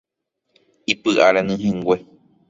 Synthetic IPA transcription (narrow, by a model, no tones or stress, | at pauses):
ipɨʔaɾanɨ̃ɦẽŋɡʷe